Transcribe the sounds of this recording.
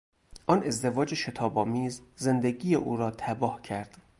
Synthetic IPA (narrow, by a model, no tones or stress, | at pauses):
ʔɒːne̞zd̪e̞vɒːd͡ʒeʃe̞t̪ʰɒːbɒːmiːzːe̞nd̪eɡiːjeʔuːɾɒːt̪ʰæbɒːhcʰæɾd̪̥